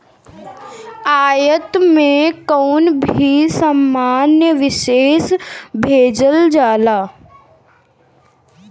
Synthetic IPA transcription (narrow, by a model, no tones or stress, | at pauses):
aːjət̪mẽkɔːnbʱisəmːaːnjəʋɪʃeːsbʱeːd͡ʒəld͡ʒaːlaː